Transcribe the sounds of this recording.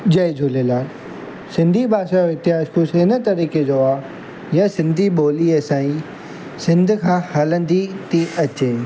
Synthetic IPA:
d͡ʑɐed͡ʑoːlelaːl | sɪ̃nd̪ʱibaːʃajoɪt̪ɪaːʃkʰosɪnə̆t̪ɐɾiːked͡ʑoːaː | jɐsɪ̃nd̪ʱiɓoːliəsãːĩ | sɪ̃nd̪ʱkʰãːhɐlə̃nd̪it̪iɐt͡ɕeː

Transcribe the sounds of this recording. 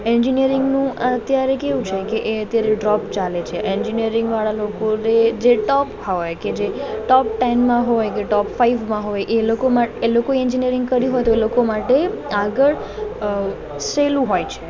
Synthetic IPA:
ɛnd͡ʒinijəɾɪŋɡnũʔat̪jaɾekeʋũt͡ʃʰekeʔeət̪jaɾeɖɾɔpt͡ʃalet͡ʃʰeʔend͡ʒinijəɾɪ̃ŋɡʋaɭalokoned͡ʒeʈɔphojked͡ʒeʈɔp̚ʈɛnmãɦojkeʈɔpfaiʋmãɦojʔelokomaelokoeɛnd͡ʒinijəɾɪ̃ŋɡ̚kəɾiɦojt̪oelokomaʈeaɡəɭ | selũɦojt͡ʃʰe

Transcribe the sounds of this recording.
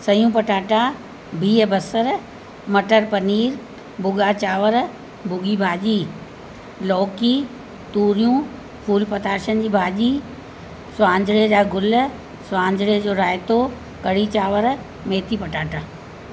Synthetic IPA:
sɐjũːpɐʈaːʈa | bʱiːbɐsəɾ | mɐʈəɾpɐniːɾ | bʱʊɠat͡ɕaːʋəɾ | bʱʊɡibʱaːʄiː | lɔːkiː | t̪uːɾijũ | pʰuːlpɐt̪aːɾʃənd͡ʑiːbʱaːʄiː | sʊãːɲd͡ʑʱɽed͡ʑaːɡʊl | sʊãːɲd͡ʑʱɽed͡ʑoːɾaːjt̪o | kɐɽit͡ɕaːʋəɾ | meːt̪ʰipɐʈaːʈaː

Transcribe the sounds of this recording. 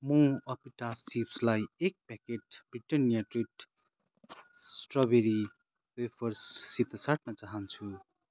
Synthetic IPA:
mʌ̃ʌpiʈasːipslajek̚pɛkeʈbɾiʈʌnijaʈriʈ | sʈrʌbeɾi | wepʰʌɾsːit̪ʌsaʈ̚nʌt͡saɦʌnt͡sʰu

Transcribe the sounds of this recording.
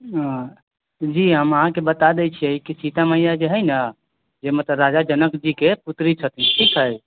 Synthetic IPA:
d͡ʒiɦəməɦãkebət̪ad̪ɛt͡ʃʰijəikisit̪aməɦjad͡ʒeɦəjnə | d͡ʒemet̪əɾad͡ʒad͡ʒənəkd͡ʒikeput̪ɾit͡ʃʰət̪iʈʰikɦəj

